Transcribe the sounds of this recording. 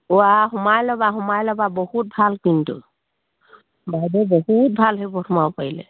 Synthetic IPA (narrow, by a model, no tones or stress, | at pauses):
ɔaɦɔmajlɔbaɦɔmajlɔbabɔhut̪̚bʱalkint̪ṵ | bajdɔbɔhut̪̚bʱalɦebɔʈʰɔmawpaɦilḛ